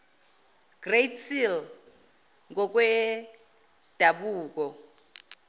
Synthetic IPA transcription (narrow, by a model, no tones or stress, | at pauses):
ɡ̥retʰil | ŋɡɔk̬ʼwɛ | d̥ʱaɓuːk̬ɔ